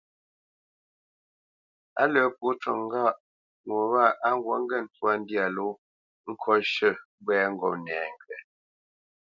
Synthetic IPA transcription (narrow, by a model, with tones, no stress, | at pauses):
a̰˦lə˦pu˦t͡ʃɔ˨ŋ˦ɡa˦˨ʔ | ŋwo˨βa˦˨ʔa˦ŋ̩˦ɡwɔ˨˦ŋ˦ɡɛ˦˨n̩˦twa˦n̩˦dja˨lo˦ | ŋ̩˦kʰɔ˦ʃə˦ | bwɛː˦ŋ̩˦ɡɔ˦˨pnɛː˨ŋ˨ɡɥɛ˨